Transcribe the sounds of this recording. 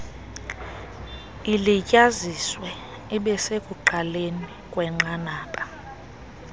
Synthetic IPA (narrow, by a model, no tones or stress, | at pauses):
ilicʼaziswɛ | iɓɛsekʼuǃalenikʼwɛŋ͡ǃanaːpʼa